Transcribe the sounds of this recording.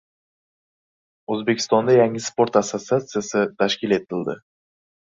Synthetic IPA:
ɵzbekʲʰɪ̥st̪ɒnd̪ajaŋɪspo̞ɾt̪asːot̪siat̪sɨjasɪt̪ʰaʃkʲɪle̞t̪ɪld̪ɪ

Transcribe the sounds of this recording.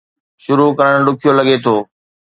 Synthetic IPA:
ʃʊɾukɐɾəɽ̃ɗʊkʰijolɐɠet̪ʰoː

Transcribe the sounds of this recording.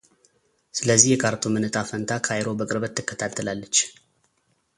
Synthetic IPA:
sɨləzːihjɛkʰaɾt̪ʰomɨnɨt̪ʼafənt̪ʰakʰajɾo̞bəkʼɨɾbət̪ːɨkːət̪ʰat̪ʰːəlalːət͡ʃː

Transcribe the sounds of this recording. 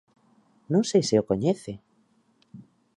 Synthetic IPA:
nõŋsejsɪokoɲeθe

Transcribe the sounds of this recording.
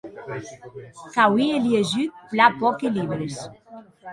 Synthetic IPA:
kawieljeʒyt̪̚plapɔkeliβɾes

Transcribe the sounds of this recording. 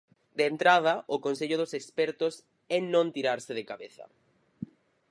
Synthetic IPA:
d̪eːnt̪ɾað̞ɐʔʊkonseʎʊðʊsekspɛɾt̪ʊs | ɛnõnt̪iɾaɾsɪðekaβeθɐ̰

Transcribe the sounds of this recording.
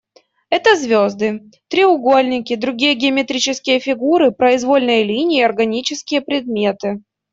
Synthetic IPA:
ɛt̪əzvʲozd̪ɨ | t̪ɾʲɪʊɡo̞lʲnʲɪkʲɪd̪ɾʊɡʲijəɡʲɪəmʲɪt̪ɾʲit͡ɕɪskʲɪjəfʲɪɡuɾɨpɾəɪzvo̞lʲnɨjəlʲinʲɪjɐrɡɐnʲit͡ɕɪskʲɪjəpɾʲɪd̪mʲet̪ɨ

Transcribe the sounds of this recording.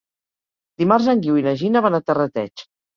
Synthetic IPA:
d̪̥imarzəŋɡiwinaʒinaβanat̪ərət̪ɛ̰t͡ʃ

